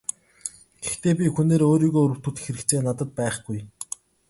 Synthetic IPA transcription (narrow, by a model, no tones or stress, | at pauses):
ɡ̥ext̪eːpʲixuneːɾoːɾiːɣoːɵɾɘ̆w̥t̪ŭt̪̆xeɾɘ̆kt͡sʰeːnat̪ə̆t̪̚pæːχɡ̥uj